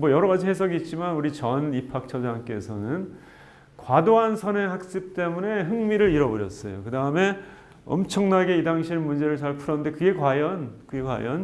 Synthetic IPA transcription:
mʌjʌɾʌɣad͡ʑiɦes̬ʰʌɡiːt̚t͡ɕ͈imanuɾit͡ɕʌnipʰak̚t͡ɕʰʌd͡ʑaŋk͈e̞sʰʌnɯn | kwadoɦansʰʌneŋɦak̚s͈ɯp̚t͈e̞mune̞ɦɯŋmiɾɯɾiɾʌbʌɾjʌ̰s͈ʌjo̰kɯdaɯme̞ | ʌ̰mt͡ɕʰʌŋnaɡe̞idaŋɕʰinmund͡ʑe̞ɾɯɭt͡ɕaɭpʰuɾʌnnde̞kɯɡe̞kwajʌnkɯɡe̞kwa̰jʌn

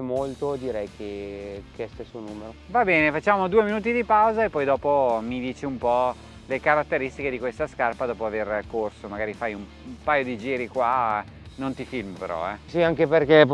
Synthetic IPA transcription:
molt̪od̪iɾɛjkʰekeɛst̪esːonuːmeɾovabɛːnefat͡ʃːaːmod̪uːeminuːt̪̬id̪ipawzaepːɔjd̪ɔːpomid̪iːt͡ʃiumpɔ | lekaɾat̪ːeɾist̪iked̪ikwest̪askarpad̪ɔːpoaverkorsomaɡaːɾifajum | umpajod̪id͡ʒiːɾikwa | nont̪ifilmpeɾɔ̰ɛsiaŋkeperkep

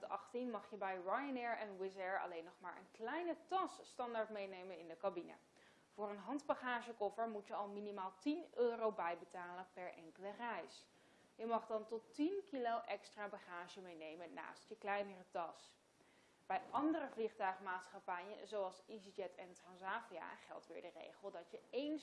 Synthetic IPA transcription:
tɑ̰χtinmɑχjəbɛjɹajənɛɹɛnwɪzɛɹɑ̰lejnːɔχmaːɹʔə̰nklɛjnətɑsːtɑndaɹtmejnejmənɪndəkabinə̰ | v̥ʊːɹənɦɑndbaχaːʒəkɔfəɹmutjəɑlˠminimaːlˠtinøːrowbɛjbətaːlənpɛɹʔɛ̰ŋkələrɛjs | jəmɑχdɑntɔtinkilowʔɛkstraːbaχaːʒəmejnejmənna̰ːstjəklɛjnərətɑs | b̥ɛjʔɑndərəvliχtœɥχmaːtsχapɛjə̰nzowɑlˠsizid͡ʒɛtʰɛntrɑnsaːvia̰χɛ̰lˠtʋɪ̰ːɹdərḛjχəlˠdɑtjəejn

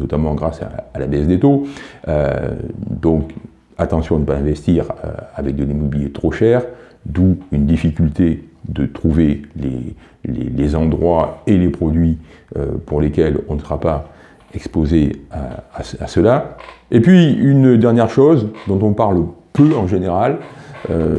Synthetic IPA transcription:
nɔt̪amɑ̃ɡʁasa̰ːlabɛsd̪et̪oø̰ | d̪ɔ̃k | at̪ɑ̃sjɔ̃nəpaɛ̃vɛst̪iʁø̰avɛk̚d̪elimɔbiljet̪χoʃɛʁ | d̪uynd̪ifikʲylt̪ed̪ət̪χuvelḛ | lḛlezɑ̃d̪ʁwaelepχɔd̪ɥi | ø̰puʁlekʲɛlɔ̃nəsəʁapa | ɛkspozea̰ːsa̰səlaepɥiynd̪ɛʁnjɛʁʃozd̪ɔ̃t̪ɔ̃paʁlpøɑ̃ʒeneʁalø̰

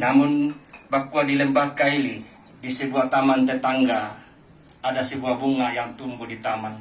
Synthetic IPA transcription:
namunbakuadilɛmbakaili | disəbuat̪amant̪ɛt̪aŋɡaː | dasəbuabuŋajaŋt̪umbudit̪aman

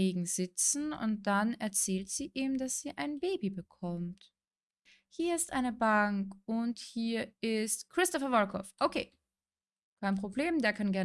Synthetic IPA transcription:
eːɡŋ̩z̥ɪt͡sn̩ʊ̰nt̚d̥anɛɐt͡sɛːltz̥iːʔiːmd̥asz̥iːʔaɪnbeːbibəkʰɔmt | hiːɐɪstʔa̰ɪnəbaŋkʊnthiːɐɪstkʁ̥ɪstɔfɐvɔkʰɔ̰fʔokʰeː | kʰaɪnpʁ̥obleːmdeːɐkʰanɡɛɐ

